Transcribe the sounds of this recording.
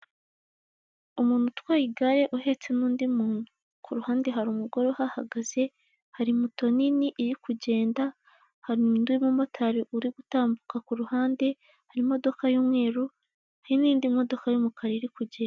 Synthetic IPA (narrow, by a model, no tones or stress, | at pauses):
umuːn̥hutwaːjiɡaɾe̞ʔuhe̞t͡se̞nuːndimuːnu | kʰuɾuhaːnde̞ɦaɾumuɡo̞ɾohaha̰ɡaz̥e̞ | haɾimuto̞niniʔiɾikuɟe̞ːnda | haɾindwimumo̞tʰaɾiʔuɾiɡutaːmbukakuɾuhaːnde̞ | haɾimo̞do̞kajuːmŋe̞ːɾu | haɾiniːndimo̞do̞kajomukʰaɾeɾikuɟeːna